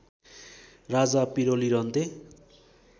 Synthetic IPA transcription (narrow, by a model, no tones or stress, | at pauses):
rad͡zapiɾoliɾʌnt̪e